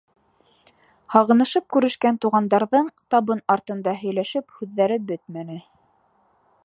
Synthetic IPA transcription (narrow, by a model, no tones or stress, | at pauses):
hɑʁɤ̆nɤ̆ʃɤp̚kʉɾɘ̆ʃkænt̪uʁɑnd̪ɑɾðɤɴt̪ɑβɤnɑɾt̪ɤ̆nd̪ɑɦɵ̆jlæʃɘphʉðːæɾɘbɵt̪mænɘ